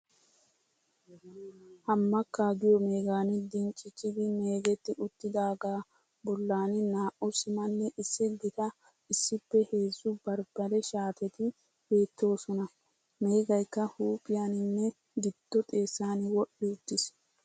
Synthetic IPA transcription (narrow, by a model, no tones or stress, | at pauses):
hɐmːɐkːaɡɪjɔme̞ːɡaːnɪd̪ɪnt͡ʃʼɪt͡ʃːɪd̪ɪme̞ːɡɛt̪ːɪʊt̪ːɪd̪aːɡaː | bɔlːaːnɪnaːʔɔsɪmɐnːɛʔɪsːɪɡɪt̪ɐ | ɪsːɪpːɛhe̞ːzʊbɐɾb̥ɐɾɛʃaːt̪ɛt̪ɪ | be̞ːt̪ːo̞ːsɔnɐ | me̞ːɡɐjkːɐhuːpʼɪjanɪnːɛ | ɡɪd̪̥ːɔt̪ʼe̞ːsːaːnɪwɔɗːɪʊt̪ːɪs